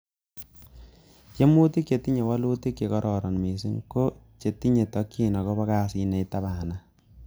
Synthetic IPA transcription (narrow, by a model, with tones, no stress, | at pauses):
t͡ʃe˦mu˦ti˦kt͡ʃe˨ti˦ɲe˨wa˦lu˦ti˦kje˨kɔ˦ɾʔɔ˨ɾɔ˨nmi˨si˦ŋko˦t͡ʃe˨ti˦ɲe˨tɔ˨kːi˦nɔ˨kɔ˦ba˦ka˦si˦nɛ˨i˦ta˦ba˨na˦